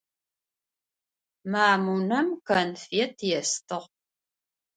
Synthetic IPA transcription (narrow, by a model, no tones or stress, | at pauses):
maːmunɐmkɐnfetʰjɛstʰɨʁ